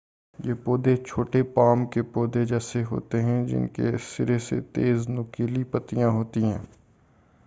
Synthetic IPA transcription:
jeːpoːd̪et͡ʃʰoːʈepaːmkepoːd̪ed͡ʒɛːseɦo̰ːt̪eɦɛ̃d͡ʒɪ̰nkesɪɾesḛt̪eːznʊkiːlipət̪ijãɦoːt̪iɦɛ̰̃ː

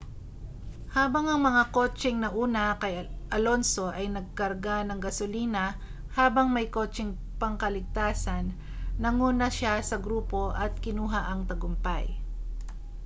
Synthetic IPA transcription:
haːbɐŋɐŋmɐŋako̞ːt͡ʃɪŋnɐʔuːnɐkɐjʔɐlo̞nso̞ʔɐjnɐɡ̚kɐɾɡanɐŋɡɐsʊliːnɐ | haːbɐŋmɐjko̞ːt͡ʃɪŋ | pɐŋkɐlɪɡ̚t̪aːsɐnː | ɐŋuːnɐʃasɐɡɾuːpo̞ʔɐt̪̚kɪnuːɦaʔɐŋt̪ɐɡʊmpa̰j

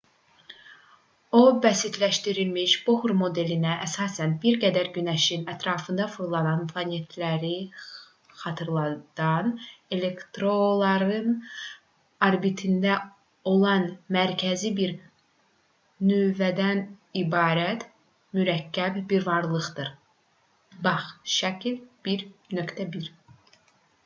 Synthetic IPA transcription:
o̞bæsit̪ʰlæʃt̪iɾilmiʃb̥ohuɾmo̞d̪e̞linæʔːsɑːsænbiɾɡæd̪æɾɟynæʃinæt̪ʰɾɑːfɯnd̪ɑfuɾlˠɑnɑnpʰlˠɑne̞t̪ʰlæɾi | χɑt̪ʰɯɾlˠɑd̪̥ɑne̞le̞kt̪ɾo̞lˠɑɾɯn | ɑɾbit̪ʰind̪æ | o̞lˠɑnmæɾcʰæzibiɾ | nøvæd̪ænibɑːɾæt̪ | myɾæcʰːæbbiɾvɑɾlˠɯʁd̪ɯɾ | bɑχʃæcʰilb̥iɾnøkt̪ʰæbiɾ

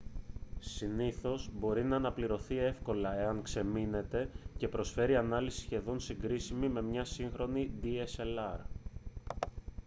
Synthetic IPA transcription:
siniθo̞zbo̞ɾinɐːnɐpliɾo̞θie̞fko̞lɐe̞ɐŋkse̞mine̞t̪e̞ce̞pɾo̞sfe̞ɾiɐnɐlisi̥sçe̞ðo̞nsiŋɡɾisimime̞mɲɐsiŋxɾo̞nid̪ieselɐɾ

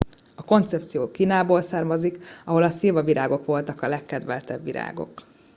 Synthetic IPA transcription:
ɒko̞nt̪sɛp̚t̪sijoːkiːnaːboːlsaːrmɒzikɒɦo̞lɒseːvɒviɾʔaːɡo̞kʋo̞lt̪ɒkɒlɛkːɛd̪ʋɛlt̪ɛbːiɾa̰ːɡo̞̰k

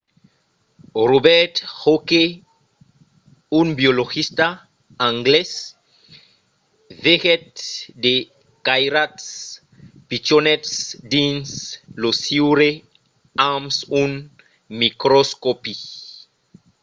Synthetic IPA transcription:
robɛɾt̪hoke | unbioloɣist̪a | ãŋɡles | veɣɛt̪d̪e | kajɾat̪s | pit͡ʃonɛt̪sd̪ĩnslosiwɾe | ãmsun | mikɾoskopi

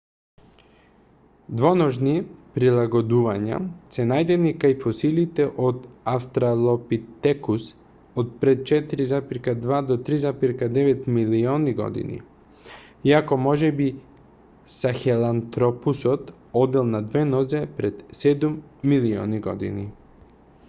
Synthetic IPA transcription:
d̪vonoʒnipɾilˠaɡod̪uvaɲa̰sɛnajd̪ɛnikajfosilit̪ɛʔod̪aft̪ɾalˠopit̪ɛkus | ot̪̚pɾɛt̪̚t͡ʃɛt̪iɾizapiɾkad̪vad̪ot̪ɾizapiɾkad̪ɛʋɛt̪milioniɡo̰d̪ḭnḭ | iakomɔʒɛbi | saxɛlˠant̪ɾopusot̪ | od̪ɛlˠnad̪vɛnɔzɛpɾɛd̪sɛd̪umːilio̰niɡo̰d̪ḭni

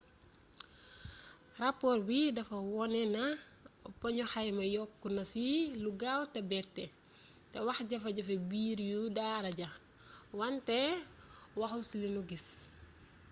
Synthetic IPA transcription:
rapɔːrwidɐfɐwɔnɛnɐpɐɲɔxɐjmɐjɔkːunɐsiluɡawtɛbɛrtɛ | tɛwɐxɟɐfɐɟɐfɐbiːɾjudaːɾɐɟɐ | wɐntɛ | wɐxusilinuɡis

